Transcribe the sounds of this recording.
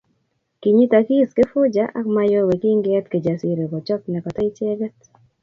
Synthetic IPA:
ki˨ɲi˦ta˨ki˦ske˦fʊ˦d͡ʒa˦ʔa̰˦kma˨jo˦we˨ki˦ŋɡɛ˦tke˨d͡ʒa˨si˨ɾe˨bɔ˨t͡ʃɔ˦knɛ˨kɔ˨tɛ˦i˦t͡ʃɛ˦ɡɛ˦t

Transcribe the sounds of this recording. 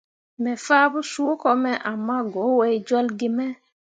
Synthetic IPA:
mɛ˨fa˦bu˦su˦kɔ˨mɛ˦ʔa˨mːa˦ɡo˨˦we˦jd͡ʒɔ˦lɡi˦mɛ˦

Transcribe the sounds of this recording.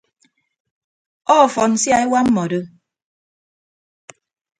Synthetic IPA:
ɔː˦˨fɔ˨n̩˨sja˨e˦wa˦m̩˦mɔ˨dɨ˦

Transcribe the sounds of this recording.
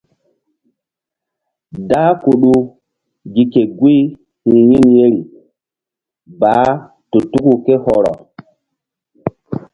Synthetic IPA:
daː˦ku˨ɗu˦ | ɡi˨ke˨ɡwi˦ | hĩ˨ji˦nje˦ɾi˨ | baː˨˦ | to˨tu˦ku˨ke˦hɔ˨ɾɔ̰˨

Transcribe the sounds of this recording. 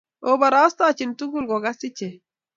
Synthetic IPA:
oba˨ɾa˦st̪at͡ʃi˨ntu˦ɡu˦lɡɔ˨ɡa˦si˦t͡ʃɛ˨

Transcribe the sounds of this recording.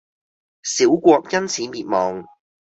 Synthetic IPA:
siː˨˥wkʷɔː˧k̚jɐ˥nt͡sʰiː˨˧miː˨˧t̚mɔː˨˧ŋ

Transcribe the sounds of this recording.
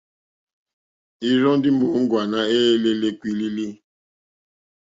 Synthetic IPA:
i˦ɾɔ˦n˦dɪ˦mo˨˦ŋ̩˦ɡwa˨na˦e˦le˦le˦kʷi˦li˦li˦

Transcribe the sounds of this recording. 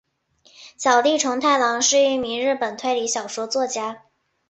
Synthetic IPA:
ɕjɑ˨˩ʊli˥˩ʈ͡ʂʰʊ˧˥ŋt̪ʰa˥˩ɪlɑ˧˥ŋʂɻ̩˥˩y˥˩mi˧˥ŋɻɻ̩˥˩pə˨˩nt̪ʰwe˥˩ɪli˧˥ɕjɑ˨˩ʊʂwɔ˥t͡swɔ˥˩t͡ɕja˥

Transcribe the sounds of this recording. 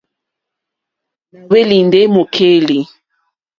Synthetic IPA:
mu˨we˦li˨n˨de˦mo˨kʰe˦li˨

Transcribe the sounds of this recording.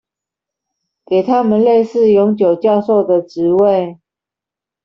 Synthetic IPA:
ke˨˩ɪt̪ʰa˦mə˨nle˥˧ɪsɹ̩˥˨jɔ˧˥ŋt͡ɕjo˨˩ʊt͡ɕjɑ˥˧ʊso˥˩ʊd̪ə˨˩ʈ͡ʂɻ̩˨˧˦we˥˨ɪ

